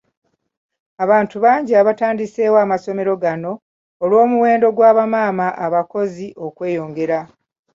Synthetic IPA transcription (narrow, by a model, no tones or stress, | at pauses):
aβaːntuβaːɲɟiaβataːndise̞ːwaːmaso̞me̞ɾo̞ɡano̞ː | lwo̞ːmuwe̞ːndo̞ɡwaːβamaːmaʔaβako̞ziʔo̞kwe̞ːjo̞ːŋɡe̞ɾa